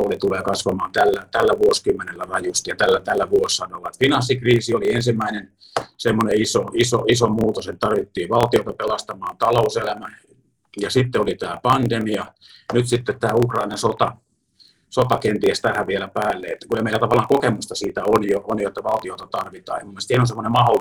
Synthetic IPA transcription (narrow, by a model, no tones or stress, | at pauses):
olit̪uleːkɑsʋɑmɑːnt̪ælːæt̪ælːæʋuoskymːenelːærɑjust̪ɑjɑt̪ælːæt̪ælːæʋuosːɑnoʋɑet̪finɑsːikriːsioliensimːæinen | semːoneisoisoisomuːt̪oset̪t̪ɑrʋit̪ːiːʋɑlt̪iot̪ɑpelɑst̪ɑmɑːnt̪ɑlouselæmæ | jɑsit̪ːeolit̪æːpɑnd̪̥emiɑ | nyt̪sit̪ːet̪t̪æːukrɑinɑsot̪ɑ | sot̪ɑkent̪iest̪æhæʋielæpæːlːeet̪ːækuemeilæt̪ɑʋɑlːˑɑːŋkokemust̪ɑsiːt̪æonjoʔonjot̪ːɑʋɑlt̪iot̪ɑt̪ɑrʋit̪ɑ̰ːemumːest̪ieænonsemːonemɑholː